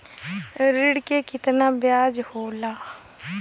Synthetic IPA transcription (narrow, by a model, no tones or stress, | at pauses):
ɾɪɽkeːkɪt̪naːbjaːd͡ʒhoːlaː